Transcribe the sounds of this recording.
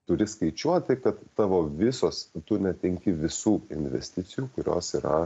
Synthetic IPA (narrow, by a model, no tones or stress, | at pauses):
t̪ʊɾʲɪskɐɪt͡ʃʲuɔt̪ʲɪkɐt̪ːɑːʋoːʋʲɪsoːst̪ʊnʲɛt̪ʲɛŋʲkʲɪʋʲɪsuːɪ̰nʲʋʲɛ̰sʲt̪ʲɪtsʲɪjuːkʊɾʲo̰ːsiːɾɐ̰